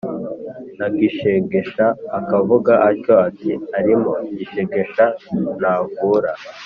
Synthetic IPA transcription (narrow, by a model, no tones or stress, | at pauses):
naɡiʃeɡe̞ʃaːkavuɡaʔaco̞atiaɾimo̞ɟiʃeɡe̞ʃanaːvuɾa